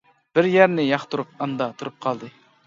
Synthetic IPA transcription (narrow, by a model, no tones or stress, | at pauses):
b̥ɪɾjæɾnɪjɑχt̪ʰuɾup̚ɑnd̪ɑt̪ʰuɾup̚qʰɑlˠd̪ɨ